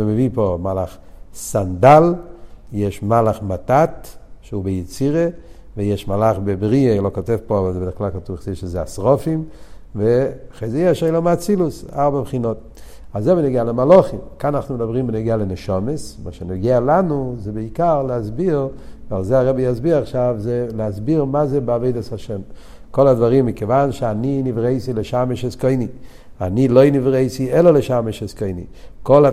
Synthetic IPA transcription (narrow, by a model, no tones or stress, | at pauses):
mevipomalaχsandaljɛʃmalaχmatatʃeubejet͡siʁe | vejɛʃmalaχbebʁielokotɛvpoavalzɛbdɪχklalkatuvχzeʃezɛasʁɔfimveaχejzɛjɛʃejlomat͡silusaʁbapχinot̚ | azɛbenoɡealemaloχimkananaχnumedabʁimbenoɡealeneʃamesmaʃenoɡealanuzɛbeikaʁleazbiʁvalzɛaʁɛbijazbiʁaχʃavzeleazbiʁmazɛbeavejdashaʃem | koladvaʁimːikevanʃeaninivʁejsileʃameʃɛskojni | a̰nilojnivʁejsiɛloleʃameʃeskojnḭ | kola